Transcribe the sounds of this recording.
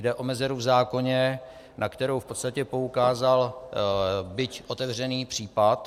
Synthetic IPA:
dɛʔo̞mɛzɛɾuvzaːko̞ɲɛ | nʔakt̪ɛɾowfpo̞t̪st̪acɛpo̞ukaːzal | bɪcʔo̞t̪ɛvr̝ɛniːpr̝̥iːpat̪

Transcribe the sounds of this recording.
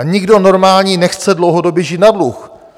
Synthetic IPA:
ɲɪɡdo̞no̞ɾmaːlɲiːnɛxt͡sɛdlowɦodobjɛʒinadlux

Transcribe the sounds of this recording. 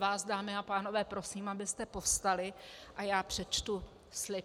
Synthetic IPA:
vaːsdaːmɪapaːno̞vɛːpɾo̞siːmabɪst̪ɛpo̞st̪alɪʔajaːpr̥ɛt͡ʃt̪u | slɪ

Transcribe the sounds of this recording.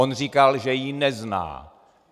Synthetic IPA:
onr̝ikalʒɛjinɛzna̰ː

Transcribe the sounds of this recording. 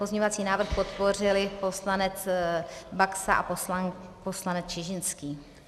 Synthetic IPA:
pozɲovat͡siːnaːvr̩xpo̞t̪po̞r̝ɪlɪpo̞slanɛt͡s | baksa̰ʔa̰poaposlanɛt͡st͡ʃɪʒɪnskiː

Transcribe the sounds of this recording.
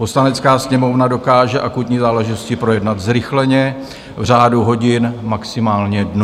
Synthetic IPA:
po̞slanɛt͡skaːsɲɛmo̞vnado̞kaːʒɛʔakut̪ɲiːzaːlɛʒɪt̪o̞scɪpɾo̞jɛdnat̪zɾɪxlɛɲɛ | vr̝aːduɦo̞ɟɪnmaksɪmaːlɲɛdn

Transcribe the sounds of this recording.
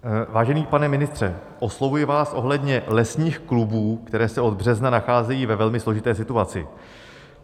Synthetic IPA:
vaːʒɛniːpanɛmɪnɪst̪r̝̥ɛ | ʔo̞slo̞vujɪvaːsʔo̞ɦlɛdɲɛlɛsɲiːxklubuːkt̪ɛɾɛːsɛo̞d̪̚br̝ɛznanaxaːzɛjiːvɛvɛlmɪslo̞ʒɪt̪ɛːsɪt̪uat͡sɪ̰

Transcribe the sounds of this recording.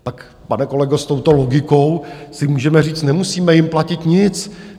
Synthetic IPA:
t̪ak | panɛko̞lɛɡost̪o̞wt̪o̞lo̞ɡɪko̞wsɪmuːʒɛmɛriːt͡st̪nɛmusiːmɛjɪmplacɪt̪ɲɪt͡s

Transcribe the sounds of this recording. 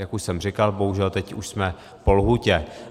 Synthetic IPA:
jakuʃsɛmr̝ɪkalboɦuʒɛlt̪ɛcuʃsmɛ | po̞lɦucɛ

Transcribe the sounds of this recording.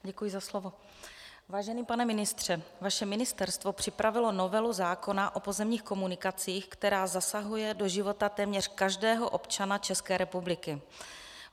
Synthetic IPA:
ɟɛkujɪzaslovo̞ | vaːʒɛniːpanɛmɪnɪst̪r̝̥ɛvaʃɛmɪnɪst̪ɛɾst̪vo̞pr̥ɪpɾʔavɪlo̞no̞vɛluzaːko̞naʔo̞po̞zɛmɲiːxko̞munɪkat͡siːxkt̪ɛɾaːzasaɦujɛdo̞ʒɪvo̞t̪at̪ɛːmɲɛr̝̥kaʒdɛːɦo̞ʔo̞pt͡ʃanat͡ʃɛskɛːɾɛpublɪkɪ

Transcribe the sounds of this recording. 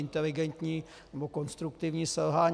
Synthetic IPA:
ɪnt̪ɛlɪɡɛnt̪ɲiː | nɛboko̞nst̪ɾukt̪ɪvɲiːsɛlɦaːɲ

